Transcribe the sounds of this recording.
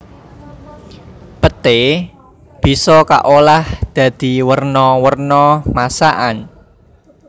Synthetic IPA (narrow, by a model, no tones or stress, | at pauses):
pət̪e | b̥i̤sɔka̰ʔolahd̪̥ä̤d̪̥i̤wərnɔwərnɔmasaʔan